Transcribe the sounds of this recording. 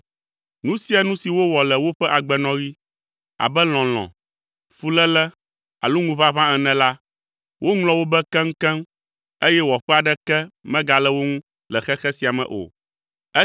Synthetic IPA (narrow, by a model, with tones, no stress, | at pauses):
nũ˦si˦a˨nũ˦si˨wo˦wɔ˨lɛ˨wo˦ɸɛ˦ʔa˨ɡ͡bɛ˨nɔ̃˦ɣi˦ | a̰˨bɛ˦l̃ɔ̃˨l̃ɔ̰̃˨ | fu˨lɛ˦lɛ˦ | a̰˨lu˦ŋũ˦βa˦βã˦ɛ˨nɛ̃˨la˦ | wʔo˦ŋlɔ̃˨wo˦bɛ˦kɛ˦ŋ̩˦kɛ̃˦m | e˦jɛ˦wɔ˨ɸɛ˦a˨ɖɛ˦kɛ˦mɛ̃˦ɡa˨lɛ˦wo˦ŋũ˦ | lɛ˨xɛ˦xɛ˦si˨a˨mɛ̰̃˨ʔo̰˨ | ɛ˦